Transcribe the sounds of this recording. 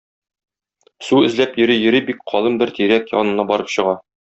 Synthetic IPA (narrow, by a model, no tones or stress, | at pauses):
suɘ̆zlæpjɵ̆ɾijɘ̆ɾibik̚qʰɒlˠɤmbɘɾt̪iɾækjɒ̰nɤ̆nɑbɒɾɤpɕɤ̆ʁɑ